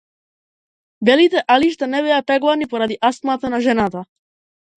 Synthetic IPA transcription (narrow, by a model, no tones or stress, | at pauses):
bɛlit̪ɛʔaliʃt̪anɛbɛapɾɛɡlanipɔɾad̪iʔast̪mat̪ɛnaʒɛnat̪a